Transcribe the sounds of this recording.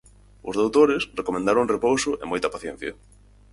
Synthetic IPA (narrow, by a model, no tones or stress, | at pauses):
ʊzðowt̪oɾɪsrekomẽnd̪aɾõŋrepowsʊʔḛmojt̪ɐpaθjɛn̟θjɐ